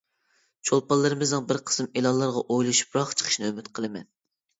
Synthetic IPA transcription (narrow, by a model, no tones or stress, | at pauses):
t͡ʃʰolˠpɑlˠːɨɾɨmɨznɨŋbɪɾqʰə̥sɨmelˠɑllːˠɑɾʁɑʔojlˠuʃu̥p̚ɾɑχt͡ʃʰə̥qʰə̥ʃnɨømyt̪qʰəlˠɨmɛ̰n